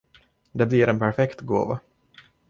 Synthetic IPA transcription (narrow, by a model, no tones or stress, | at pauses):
d̪ɛbliːɾɛnpʰæɾfɛkt̪ɡo̰ːva̰